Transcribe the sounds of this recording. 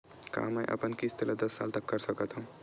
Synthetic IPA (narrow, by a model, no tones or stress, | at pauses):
ka̰məjʔə̰pənkist̪ʰeləd̪əsːa̰lt̪əkːəɾsəkət̪ʰɦũ